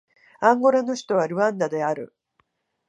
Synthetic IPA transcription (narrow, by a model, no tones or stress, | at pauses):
ãŋɡo̞ɾano̞çi̥t̪o̞β̞aɾɯ̟ãnd̪ad̪e̞aɾɯ̟̰